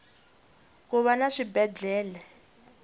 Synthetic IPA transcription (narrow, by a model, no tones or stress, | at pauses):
k̬uβanaʂibɛd͡ɮɛːlɛ